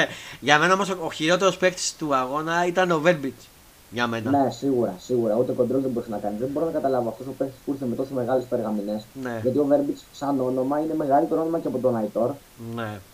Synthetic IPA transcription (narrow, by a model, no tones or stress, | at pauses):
eʝɐme̞nɐo̞mosoçiɾo̞t̪eɾospe̞kt̪i̥st̪uɐɣo̞nɐit̪ɐno̞veɾbit͡s | ʝɐme̞nɐne̞siɣuɾɐ̰siɣuɾɐut̪eko̞nd̪ɾozðeboɾisenɐkɐnizðebo̞ɾonɐkɐt̪ɐlɐvoɐft̪osopekt̪i̥skuɾθemet̪oseme̞ɣɐlespeɾɣɐmine̞sne̞ʝɐt̪io̞ve̞ɾbit͡ssɐno̞no̞mɐine̞me̞ɣɐlit̪enonomɐceɐpot̪onɐit̪o̞ɾ | ne